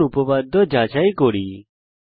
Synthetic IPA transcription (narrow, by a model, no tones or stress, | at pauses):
ʊpəʋaːd̪ɔd͡ʒaːt͡ʃaːiːkoːɽiː